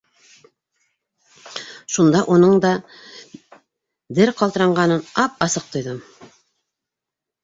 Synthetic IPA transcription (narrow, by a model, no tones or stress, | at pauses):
ʃund̪ɑʔunɤɴd̪ɑ | d̪ɘɾqɑlˠt̪ɤ̆ɾɑɴɢɑnɤnɑp̚ɑsɤq̚t̪ŏjðɤm